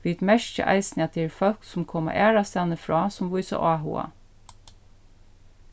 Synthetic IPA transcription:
ʋiːt̪mɛʃcə̰ʔæ̰ɪsnɑt̪̚d̪ɛɛɾfœlksʊmkʰɔma̰ʔæːɹɑst̪ɛnəfɹɑːsɔmʋʊjsa̰ʔɑːɦṵɑ̰

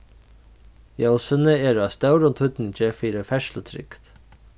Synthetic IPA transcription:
jowsənəɛːɾast̪œwɾʊnt̪ʰʏt̪nɪɲt͡ɕɪfiːɾɪfɛʃlət̪ʰɾɪ̰kt̪

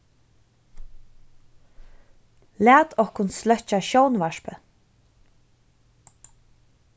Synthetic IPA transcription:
læːt̪ɔhkʊnslœht͡ʃaɕɔwnvaʂpə

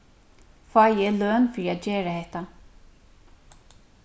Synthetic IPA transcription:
fɑːjɛløːnfɪɾiat̪d͡ʒeːɹahɛht̪a

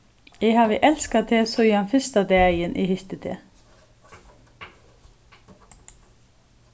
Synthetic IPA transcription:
eːhɑːʋəʔɛlskat̪ʰeːsɔjɑnfɪst̪ad̪eːæɪjənʔɪ̰ːhʏçt̪ət̪ʰḛː

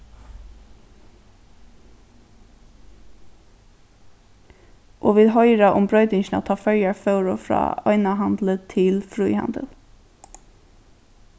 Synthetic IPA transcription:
ʔoːʋiːd̪ɦɔʏɾaʔʊmbɾœʏt̪ɪŋʃna̰t̪ʰɑːfœɹjaɹfœʊɾɔfɾɑ̰ːɔ̰ʏnaɦɑnd̪lət̪ʰɪlfɾuːhɑ̰nd̪ə̰l

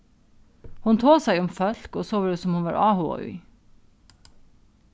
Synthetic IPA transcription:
hʊnt̪ʰoːsæɪʊmfœlkoːsoːʋəːdesɔmhʊnʋɑ̰ːɹʔɑːhṵːʏ̰ː

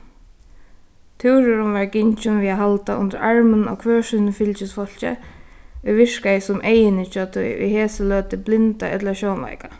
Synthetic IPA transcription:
t̪ʰɪwɾʊɾʊnʋaɹkɪɲt͡ʃʊnviːaɦalt̪aʔʊ̰nt̪əɾaɹmənɔ̰ːkʰʋœːʂɪnfɪlt͡ɕɪsfɔl̥t͡ɕɪ̰ʊjʋɪʂkajsʊmʔejɪnɪt͡ʃœt̪ʰʊjʊ̰jheːsəlœːt̪ɪblɪnt̪a̰ʔɛ̰t̪lʃɔːnla̰jka

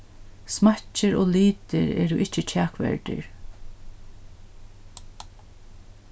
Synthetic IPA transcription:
smat͡ʃəɾoːliːt̪ɪ̰ɾɛ̰ːɾʊʔɪt͡ʃːət͡ʃʰæːkʋɛ̰ɹʈ̪ɪ̰ɹ

